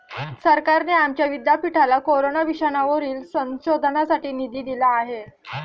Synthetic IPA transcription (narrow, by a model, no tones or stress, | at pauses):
səɾkaɾneamt͡ɕjaʋid̪japiʈʰalakoɾonaʋiɕənaʋəɾiːlsə̃ɕod̪ʱnasaʈiːnid̪iːd̪ilaːɦe